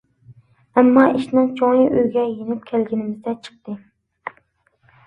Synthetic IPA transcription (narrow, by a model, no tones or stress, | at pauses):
ɛmːɑʔiʃnɨŋt͡ʃʰoŋjiʔøjɡʲɛjenɪpkʲʰælɡʲinɪmɪzd̪ɛt͡ʃʰə̥q̚t̪ɨ